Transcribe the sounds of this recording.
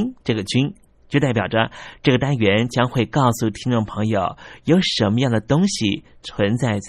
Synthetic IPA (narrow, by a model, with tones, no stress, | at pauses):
nʈ͡ʂɤ˥˩ɡə˩t͡ɕy˥n | t͡ɕjo˥˧ʊt̪a˥˩ɪpjɑ˨˩ʊə˦ʈ͡ʂɤ˥˩ɡə˩t̪a˥nɥɛ˧˥nt͡ɕjɑ˥ŋxwe˥˧ɪkɑ˥˧ʊsu˥˩t̪ʰi˥ŋʈ͡ʂʊ˥˩ŋpʰɤ˧˥ŋjo˨˩ʊjo˧˥ʊʂə˧˥nmə˧jɑ˥˩ŋd̪ə˩t̪ʊ˥ŋɕi˨˩ | t͡sʰwə˧˥nt͡sa˥˧ɪ